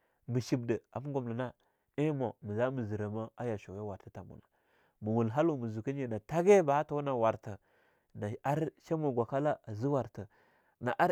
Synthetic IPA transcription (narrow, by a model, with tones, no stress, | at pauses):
mə˨ʃi˨b̚də˨a˨mu˦ɡu˨mla˨na˦ | i˦mo˨mə˨za˦mə˨zi˨ɾa˨ma˦a˦ja˨ʃu˨we˦wa˨ɾtə˦ta˨mṵ˨na˨ | mu˨wu˨lɦa˦lu˦˨mə˨zu˨ki˦ɲi˨na˨ta˦ɡe˦ba˨a˦ta˦na˨wa˨ɾtə˨ | na˨a˦ɾʃa˦mu˨ɡʷa˨ka˦la˦a˨zi˦wa˨ɾtə˨ | na˨ʔa˦ɾ